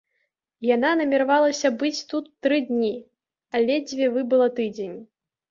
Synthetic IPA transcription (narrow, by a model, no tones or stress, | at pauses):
jananɐmʲiɾavalˠɐsʲɐbɨt͡sʲt̪ut̪ːɾɨd̪ʲnʲi | alʲɛd͡zʲvʲɛvɨbɨlˠɐt̪ɨd͡zʲenʲi